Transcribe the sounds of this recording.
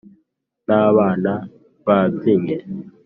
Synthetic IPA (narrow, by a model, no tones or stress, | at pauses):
naβana | βat͡siŋɛ